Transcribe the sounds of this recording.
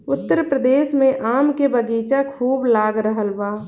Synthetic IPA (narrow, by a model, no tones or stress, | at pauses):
ʊt̪ːəɾpɾəd̪eːʃmẽʔaːmkebəɡiːt͡ʃakʰuːblaːɡɾəɦəlbaː